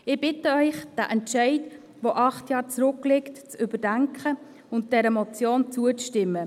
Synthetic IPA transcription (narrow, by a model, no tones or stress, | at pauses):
ɪb̥ɪtəœʏχd̥æ̰ʔɛntʃɛɪd | voʔɑχtjɑːɾt͡sɾʊklɪktt͡sʏbədæŋkχə | ʊnt̚d̥ɛɾəmɔt͡sjoːnt͡suət͡sʃtɪmːə